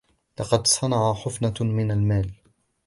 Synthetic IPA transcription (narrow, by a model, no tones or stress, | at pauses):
lɑqɑd̪sˤɑnɑʕaħʊfnamɪnalmaːl